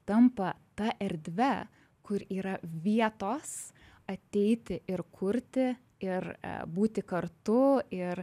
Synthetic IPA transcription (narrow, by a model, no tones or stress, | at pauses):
t̪ɐmpɐt̪ɐʔɛɾʲd̪ʲʋʲɛ | kʊɾiːɾɐʋʲiɛt̪oːs | ɐt̪ʲɛɪt̪ʲɪʔɪɾkʰʊɾʲt̪ʲɪ | ɪɾ̰buːt̪ʲɪkɐɾt̪ʊɪɾ